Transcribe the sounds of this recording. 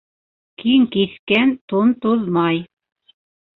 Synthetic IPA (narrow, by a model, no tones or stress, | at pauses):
kʰiŋkiθkænt̪ont̪uðmɑj